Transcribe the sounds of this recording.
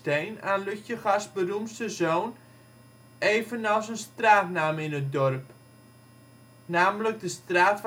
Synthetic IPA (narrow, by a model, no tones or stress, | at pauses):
tejnaːnlyçjəχasbərumstəzoːn | eːvənɔlsənstraːtnaːmɪnət̚dɔrp | naːmələk̚dəstraːtf